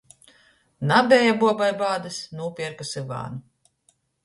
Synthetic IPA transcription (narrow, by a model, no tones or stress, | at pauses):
nabʲɛːjabuɔbajbaːd̪ɨsnuːpʲiɛɾkasɨɡa̰ːnu